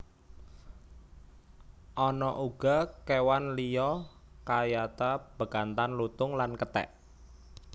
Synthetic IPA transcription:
ʔɔnɔʔuɡ̥a̤kewanlijɔkajat̪ab̥ə̤kant̪anlut̪ʊŋlankət̪ɛ̰ʔ

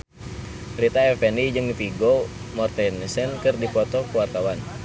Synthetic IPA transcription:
ɾit̪aɛfɛnid͡ʒɨŋdipiɡɔ | mɔrt̪ɛnisɛnkɨrdifɔt̪ɔkuwart̪awan

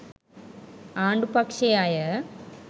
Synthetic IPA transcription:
aːɳɖɨpɐkʂɐjaːjɐ

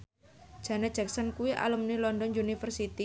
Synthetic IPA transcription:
ʒ̥ä̤nad̥d͡ʒ̥ak̚sənkuwiʔa̰ləmnilɔndɔnjunifərsit̪i

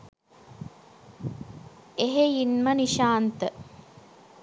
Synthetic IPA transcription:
eɦeinməniʃaːnt̪ə

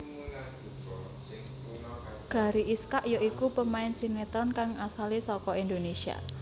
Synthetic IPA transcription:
ɡ̥a̤ɾiʔiskaʔjoikupəmaɪnsiŋnet̪ɾɔnkaŋasalisɔkɔind̪onesia̰

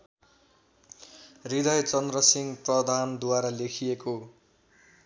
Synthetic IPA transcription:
rid̪ʌjt͡sʌnd̪rʌsiŋɡprʌd̪ʱand̪waɾʌlekʰijeko

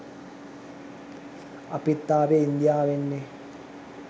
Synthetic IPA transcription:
ɐpit̪ːaːʋeind̪jaːʋenːe

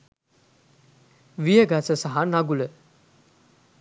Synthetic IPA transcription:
ʋijəɡasəsaɦanaɡulə

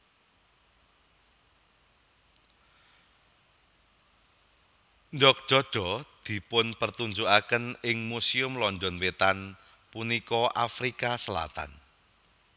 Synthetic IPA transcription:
nɖɔk̚ʒ̥ɔɖ̥ɔ̤d̪̥i̤pʊnpərt̪uɲd͡ʒuʔakənɪŋmusiʊmlɔnɖɔnwet̪an | punikɔʔafɾikasəla̰t̪a̰n

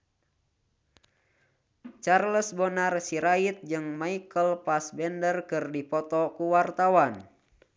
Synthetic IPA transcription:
t͡ʃarləsbɔnarsiɾait̪̚d͡ʒɨŋmaikəlpasbɛndərkɨrdipɔt̪ɔkuwart̪awan

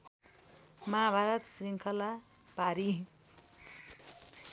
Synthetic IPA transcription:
mabʱaɾʌt̪sɾiŋkʰʌla | paɾi

